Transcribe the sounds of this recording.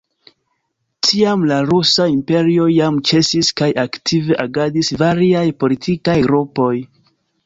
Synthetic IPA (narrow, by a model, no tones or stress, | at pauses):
tʰiamlaɾusaimpe̞ɾio̞jamt͡ʃe̞siskajʔaktʰive̞ʔaɡadisvaɾiajpo̞litʰikajɡɾupo̞j